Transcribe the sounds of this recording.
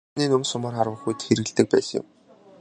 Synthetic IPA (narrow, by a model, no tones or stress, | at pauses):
niːnɵmsʊmaːrχaɾwə̆xujt̪xeɾɘ̆ɣɘ̆ɮt̪ɘ̆k̚pæːsə̆ŋjɪ̰̆m